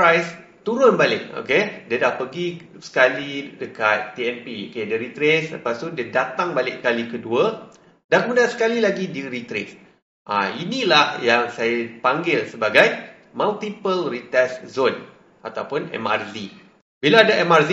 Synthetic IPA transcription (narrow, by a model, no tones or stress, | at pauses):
ajst̪uɾʊnbalɪk̚o̰kediədahpəɡi | sə̥kalidəkat̪̚t̪iɛnpio̰kediɾit̪ɾeslə̰past̪udiədat̪aŋbalɪʔkalikəduə | dankəmudansə̥kalilaɡidiɾit̪ɾḛs | ʔa̰inilahjaŋsajapaŋɡɪlsəbaɡaj | malt̪ipəlrit̪ɛszon | ʔat̪awpʊnɛ̰ma̰rzi | bilaadaɛmarz